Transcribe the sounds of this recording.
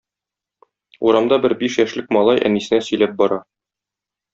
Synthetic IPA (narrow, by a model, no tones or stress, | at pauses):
uɾɑmd̪ɑbɘɾbiʃjæʃlɘk̚mɒlˠɑjʔæ̰nisɘ̆næsɵ̆jlæp̚bɒɾɑ